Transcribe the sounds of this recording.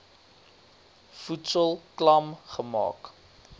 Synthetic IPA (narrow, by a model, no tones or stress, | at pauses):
futsəlˠklɐmχəmɑ̰ːk